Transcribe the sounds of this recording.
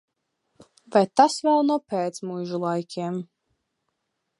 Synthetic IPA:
vajt̪asvɛlˠnuɔpɛːt̪smujʒulˠajkʲʰiɛm

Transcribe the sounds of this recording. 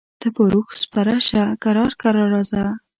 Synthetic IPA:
d̪̥əpəɾuxspaɾaʃakaɾɑɾkaɾɑɾɑza

